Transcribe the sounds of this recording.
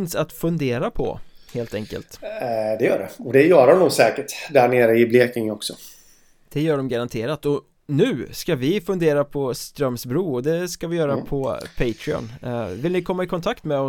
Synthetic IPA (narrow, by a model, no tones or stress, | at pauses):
nsat̪fɵnd̪eːɾapʰɔ̰heːlt̪ɛŋkə̰lt̪d̪ɛjœ̰ːɖɛ̰ɔd̪ɛjœːɾɔmnuːɡsɛːkəʈd̪æɳeːɾəɪbleːkɪŋɔksɔ | d̪̥ɛjœːɖɔmɡaɾant̪ʰeːɾat̪ɔ | nʉ̟ːskavɪfɵnd̪eːɾapʰɔst̪ɾœmːsbɾuːɔd̪ɛskavɪjœːɾapʰɔpʰɛɪt̪ʰɾɪɔ̰nvɪlnɪkʰɔmːaɪkʰɔnt̪ʰakt̪mɛɔ